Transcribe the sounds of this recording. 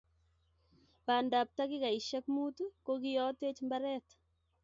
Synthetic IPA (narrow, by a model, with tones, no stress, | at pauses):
ba˨nda˨p̚t̪a˦ɡɪ˦ka˨i˨ʃa˦kmu˦t̪u˦ko˦ɡɪ˦jɔ˦te˦t͡ʃmba˦ɾɛ˦t̪